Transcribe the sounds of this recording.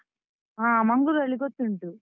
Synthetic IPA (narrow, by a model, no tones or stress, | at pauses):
aːmɐŋɡuɾɐɭiɡot̪ːuɳʈu